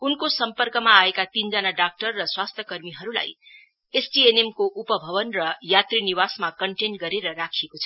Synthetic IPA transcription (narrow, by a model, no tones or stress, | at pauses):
unkosʌmpʌrkʌmaːekat̪ind͡zʌnaɖak̚ʈʌrːʌswast̪ʰjʌkʌrmiɦʌɾula̰j | esʈienemkoʔupʌbʱʌβʌnrʌjat̪riniwasmakʌɳʈenɡʌɾeɾʌrakʰekot͡sʰʌ